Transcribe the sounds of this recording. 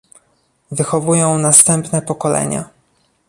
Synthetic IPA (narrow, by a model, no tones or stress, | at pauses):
vɘxɔvujɔ̃w̃nast̪ɛmpnɛpɔkɔlɛ̰ɲa̰